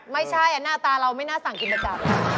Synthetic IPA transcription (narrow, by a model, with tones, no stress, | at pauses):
ma˥˩jt͡ɕʰa˥˩jʔa˧˩naː˥˩t̪aː˧ɾa˧wma˥˩jnaː˥˩sa˨˩ŋki˧nːma˧t͡ɕa˨˩k̚